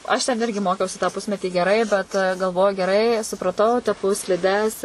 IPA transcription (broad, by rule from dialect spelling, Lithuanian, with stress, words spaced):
ɐʃ tʲɛn ˈɪrʲɡʲɪ ˈmoːkʲɛʊsʲɪ tɑː ˈpʊsʲmʲɛtʲiː ɡʲɛˈrɐɪ bʲɛt ɡɐlˠˈʋoːjʊ ɡʲɛˈrɐɪ sʊprɐˈtɐʊ tʲɛˈpʊ sʲlʲɪˈdʲɛs